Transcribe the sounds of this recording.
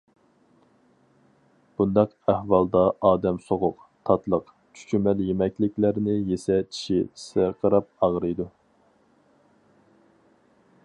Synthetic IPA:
b̥und̪ɑq | æhwɑlˠd̪ɑʔɑːd̪ɛmsoʁʊq | t̪ʰɑt̪lˠəq | t͡ʃʰy̥t͡ʃʰymɛljemɛkʲlɪkʲlæɾnɪjesɛt͡ʃʰi̥ʃisɪqʰəɾɑp̚ɑʁɾɨjd̪u

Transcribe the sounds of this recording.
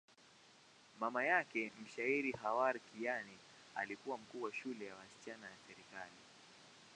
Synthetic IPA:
mamajakɛm̩ʃaiɾiɦawaɾkijani | a̰likuwam̩kuːwaʃulɛjawasi̥t͡ʃanajasɛɾikali

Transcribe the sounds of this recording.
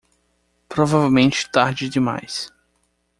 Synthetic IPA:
pɾovavewmẽnt͡ʃɪ̥t̪aɾd͡ʒɪd͡ʒɪma̰js

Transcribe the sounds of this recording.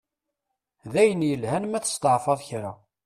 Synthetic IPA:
ðæjənjəlhænmæθə̥st̪əʕfɑðˤçɾa̰

